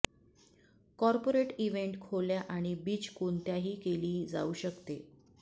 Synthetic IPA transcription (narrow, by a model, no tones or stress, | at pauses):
kɔɾpoɾeʈiʋeɳʈkʰoljaʔaɽ̃ibiːt͡ɕkont̪jaɦiːkeliːd͡za̰uːɕəkt̪e